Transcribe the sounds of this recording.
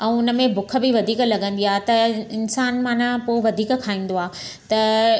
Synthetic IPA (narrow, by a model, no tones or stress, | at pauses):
ɛ̃ʊnə̆mẽbʊkʰə̆bɪiʋɐd̪ʱiːklɐɠə̃n̆d̪iaːt̪ɐɪnsaːnmãːnãpoːʋɐd̪ʱiːkkʰaːĩːn̆d̪oaːt̪ɐ